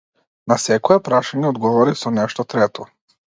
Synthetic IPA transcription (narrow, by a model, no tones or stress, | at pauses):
nasɛkojɛpɾaʃaɲɛod̪ɡɔʋɔɾisonɛʃt̪ɔt̪ɾɛt̪ʰɔ